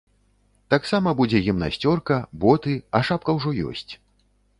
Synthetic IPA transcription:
t̪aksamɐbud͡zʲɛɣʲimna̰sʲt͡sʲɔrkɐbɔt̪ɨɐʂap̚kɐwʐɔjɔ̰sʲt͡sʲ

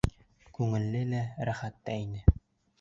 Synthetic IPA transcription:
kʉŋɘ̆lːɘlæɾæχæt̪ːæinɘ

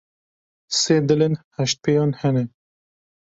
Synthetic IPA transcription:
seːd̪ɪlenhɛʃt̪̚pʰejɑːnhɛnɛ

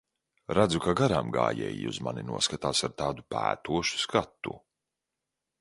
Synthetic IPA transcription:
ɾad̪zukaɡaɾamɡa̰ːjɛ̰ːjiṵzma̰ninuɔskat̪aːsaɾt̪aːd̪upæ̰ːt̪uɔʃu̥skat̪ːṵ

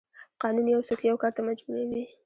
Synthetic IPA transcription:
qɑnunjawsokijawkɑɾt̪amad͡ʒbuɾawi

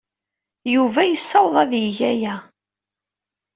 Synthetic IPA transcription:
juvæjəsːɑwðˤɑðjəʝæjæ

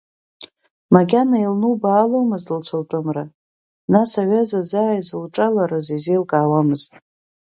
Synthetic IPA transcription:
maɡʲanailnubaːlomɨztʼlt͡ɕʷʰaltʼɨmra | nasaɥazazaːjzɨlʈ͡ʂʼalaɾɨzizejlkʼaːwamɨztʼ

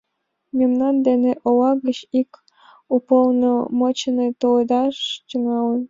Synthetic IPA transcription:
mʲemnɑnd̪eneʔowɑɣət͡ɕik | upolnomot͡ɕənet̪oled̪ɑʃt͡ɕəŋɑlə̆n

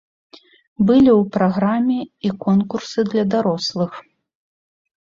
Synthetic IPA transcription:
bɨlʲiwpɾaɣɾamʲɛikɔnkursɨd̪lʲɐd̪aɾɔslˠɨx

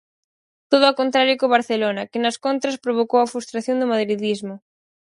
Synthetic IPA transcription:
t̪oð̞ʊakont̪ɾaɾjʊkoβaɾθelonɐkɪnɐskont̪ɾɐspɾoβ̞okowɐfɾust̪ɾaθjond̪ʊmaðɾiðizmʊ

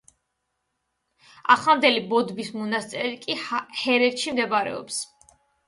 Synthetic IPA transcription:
a̰χland̪ɛlibɔd̪bismɔnast̪sʼɛɾikʼihɛɾɛɾʃimd̪ɛbaɾɛ̰ɔ̰ps

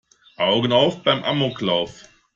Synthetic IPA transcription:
ʔaʊɡən̩aʊfb̥aɪmʔa̰moklaʊf

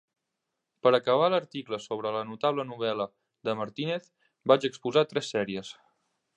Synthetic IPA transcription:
pəɾəkəβ̞aləɾt̪ikləsoβɾələnut̪aβlənuβ̞ɛlə | d̪əməɾt̪ineθ | bat͡ʃəkspuzat̪ɾɛsːɛɾiəs

